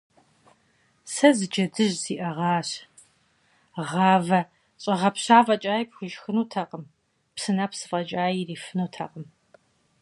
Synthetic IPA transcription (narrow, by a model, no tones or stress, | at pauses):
sɐzɨd͡ʒɐdɨʑziːʔɐʁɑːɕ | ʁɑːvɐ | ɕʼɐʁɐpɕaːvɐt͡ʃʼaːjipxʷʊʒxɨnuːtʰɐqʼəm | psɨnaːpsɨfʼɐt͡ʃʼaːjiriːfɨnuːtʰɐ̰qʼəm